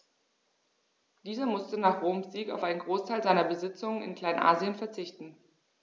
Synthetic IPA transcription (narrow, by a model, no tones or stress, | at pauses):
d̥iːzɐmʊstənaːχʁoːmsz̥iːkaʊfʔaɪnənɡʁoːstʰaɪlzaɪnɐbəzɪt͡sʊŋənɪ̰nkl̥aɪnʔa̰ːziənfɛɐt͡sɪçtn̩